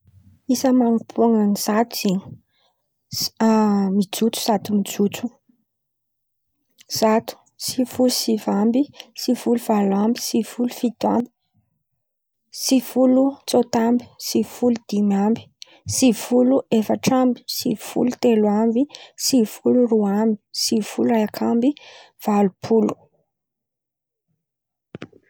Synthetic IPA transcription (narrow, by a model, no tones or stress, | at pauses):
isəmaŋupʰuaŋaniz̥at̪uziɲ | mid͡zut͡su̥z̥at̪umid͡zut͡su | z̥at̪u̥ | sifulusivambisivuluvalambi̥sifulufid̪ambi̥ | sifulut͡sot̪ambi̥sifulud̪̥imambi̥ | sivuluʔefaʈ͡ʂambi̥sifṵlut̪elwambisifuluɾuambi̥siv̥ulaakʰambi | v̥alupʰulu̥